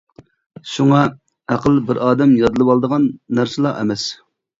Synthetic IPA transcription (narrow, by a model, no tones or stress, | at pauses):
ʃuŋɑ | æqʰəlˠbɪɾɑːd̪ɛmjɑd̪ɨlˠɨbɑlˠd̪əʁɑnːæɾsɨlˠɑɛ̰mɛs